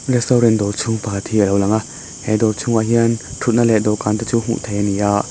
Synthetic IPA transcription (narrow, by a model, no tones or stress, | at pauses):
ɾɛst̪ɔwɾɛnd̪ɔɾt͡sʰuŋpat̪ʰiʔəlɔwlɐŋa | hɛd̪ɔɾt͡sʰuŋaɦiənt̪ʰut̪̚nalɛd̪ɔwkant̪at͡suɦṵʔt̪ʰejnijaʔ